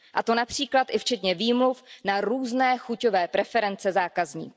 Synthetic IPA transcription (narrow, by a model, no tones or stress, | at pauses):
ʔat̪o̞napr̝̥iːklat̪ʔɪft͡ʃɛt̪ɲɛviːmlufnaɾuːznɛːxucovɛːpɾɛfɛɾɛnt͡sɛzaːkazɲḭːk